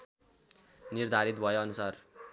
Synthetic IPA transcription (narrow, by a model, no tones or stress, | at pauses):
nird̪ʱaɾit̪bʱʌjoʌnusar